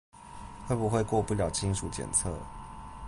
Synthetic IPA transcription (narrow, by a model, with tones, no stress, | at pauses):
xwe˥˩ɪbu˨˩xwe˥˧ɪkwɔ˥˧pu˥˩ljɑ˨ʊt͡ɕʰi˦nʂu˨˩t͡ɕjɛ̰˨˩nt͡sʰɤ̰˥˩˨